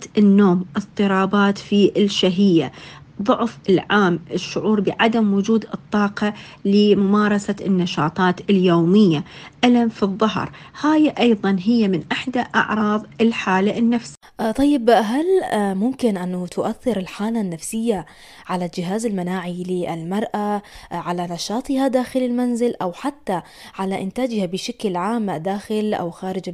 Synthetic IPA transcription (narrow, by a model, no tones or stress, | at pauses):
ɪnːoːmʔɨtˤt̪ˤːɨɾˤɑːbaːt̪fiʔɪlʃaɦɪjːa | ðˤʊʕfɪlʕaːmʔɪʃːʊʕuːɾbɪʕad̪amwʊd͡ʒuːd̪ɨt̪ˤːɑːqɑ | lɪmʊmɑːɾˤɑsaɪnːɑʃɑ̰ːt̪ˤɑːt̪ɪljoːmɪjːaʔalamfiðˤːɑɦɾˤ | haːjʔɑjðˤɑnɦɪjːamɪnʔaħd̪aʔɑ̰ʕɾˤɑːðˤɪlħaːlaʔɪnːafs | t̪ˤɑjːɪbɦalmʊmkɪnʔanːat̪ʰʊʔaθːɪɾɪlħaːlanːafsɪjːa | ʕalad͡ʒɪɦaːzɪlmanaːʕilɪʔɪ̰lmɑɾˤʔaʕalanɑʃɑːt̪ˤɨhad̪aːxɪlɪlmanzɪlʔawħat̪ːa | ʕalaʔɪnt̪aːd͡ʒhabɪʃaklʕaːmd̪aːxɪlʔa̰wxaːɾɪd͡ʒ